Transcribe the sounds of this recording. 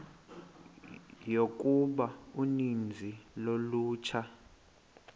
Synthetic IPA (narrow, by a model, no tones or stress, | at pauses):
jok̬ʼuɓaunind͡zʱiloluːt͡ʃʰa